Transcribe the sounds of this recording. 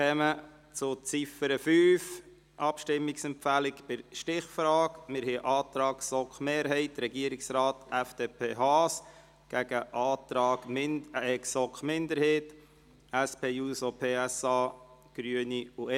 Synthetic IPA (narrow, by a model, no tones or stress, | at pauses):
ɛmə | t͡sʊt͡sifəɾəfyːf | ʔɑpʃtɪmːiksɛmpfælɪkpɪɾʃtɪχfɾɑːkmɪɾhɛʔɑːt̪ɾɑːksɔkχmeːɾɦɛɪtɾɛɡiəɾiksɾɑːtæfd̥eːpʰeːɦɑːs | ɡ̥æɡ̥əʔɑːtɾɑːɡɛksɔkχmɪnd̪əɾhɛːt | æspʰeːjuːsopʰeːæsɑːɡ̥ɾyəniu